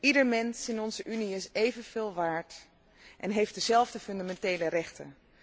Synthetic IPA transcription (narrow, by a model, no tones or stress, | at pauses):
idəɹmɛnsɪnɔnzəʔyniɪsejvənv̥ɪːlˠʋaːɹt | ʔɛ̰nɦejfdəzɛlˠvdəfɵndamɛntejlərɛχtə̰n